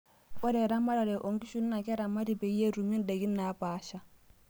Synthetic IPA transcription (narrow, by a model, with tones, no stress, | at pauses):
ɔ˦ɾɛ˨ɾa˦ma˦ɾa˨lɛ˨ʔo˨ŋki˦ʃu˦nː˦a˨kɛ˦ɾa˨mːa˦ti˨pe˨i˦je˦ɾu˨mi˦nde˨ɡi˦nːa˨˦paː˦ʃa˦